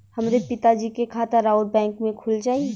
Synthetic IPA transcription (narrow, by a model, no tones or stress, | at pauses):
hɐmɾepɪt̪ad͡ʒikekʰaːt̪əɾaːʊɾ̚bɛ̃ːŋkmẽkʰʊld͡ʒaːie